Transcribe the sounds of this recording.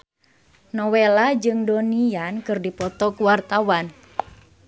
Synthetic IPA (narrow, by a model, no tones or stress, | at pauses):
nɔwelad͡ʒɨŋdoniankɨrdipɔt̪ɔkuwart̪awan